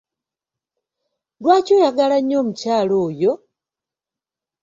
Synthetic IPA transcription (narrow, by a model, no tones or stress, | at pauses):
lwaːcoːjaɡalaɲo̞ːmucaːloːjo̞